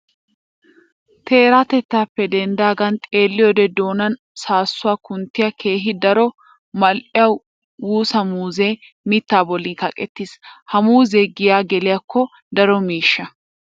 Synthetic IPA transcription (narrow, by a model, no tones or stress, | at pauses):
t̪ʰe̞ːɾaːt̪ɛt̪ːaːpːɛd̪ɛnd̪aːɡɐnt̪ʼeːlːɪjɔd̪ɛd̪oːnɐn | saːsːʊwaːkʊnt̪ːɪjɐkʰe̞ːɦɪd̪ɐɾɔ | mɐlʔɪjɐw | wuːsɐmuːzeː | mɪt̪ːaːbɔlːiːkɐkʼɛt̪ːiːshɐmuːzeːɡɪjaːɡɛlɪjɐkʰːɔ | d̪ɐɾɔmiːʃːɐ